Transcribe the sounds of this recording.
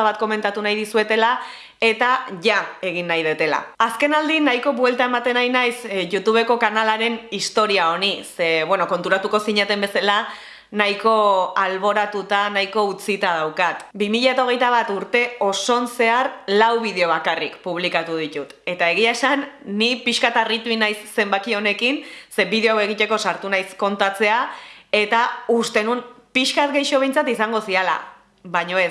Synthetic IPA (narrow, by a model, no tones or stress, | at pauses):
aβat̪̚ko̞me̞nt̪at̪unajðisue̞t̪e̞la | e̞t̪aʝae̞ɣ̞inːajðet̪e̞la̰ːske̞nald̪inajko̞βwe̞lt̪ae̞mat̪e̞najnajsʝut̪uβ̞e̞ko̞kanalaɾe̞nist̪o̞ɾiao̞niseβwe̞no̞ko̞nt̪uɾat̪uko̞siɲat̪e̞mbe̞sala | najko̞alβ̞o̞ɾat̪ut̪anajko̞ut͡sit̪að̞awkat̪bimiʎaet̪ao̞ɣ̞e̞jt̪aβ̞at̪uɾt̪e̞o̞so̞nse̞arlawβið̞e̞o̞βakarikpuβ̞likat̪uð̞it̪ut̪e̞t̪ae̞ɣ̞iae̞sanːipiʃkat̪arit̪uinajsːe̞mbakio̞ne̞kinse̞biðeoawe̞ɣit̪e̞ko̞saɾt̪unajsko̞nt̪at͡se̞ae̞t̪aust̪e̞nunpiʃkat̪ɡe̞jʃo̞β̞e̞jnt͡sat̪isaŋɡo̞siala̰ | βaɲo̞es